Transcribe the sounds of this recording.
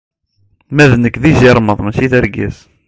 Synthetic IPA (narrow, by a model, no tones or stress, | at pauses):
mæðnəkːðiziɾˤməðˤməsiθəɾɡæ̰s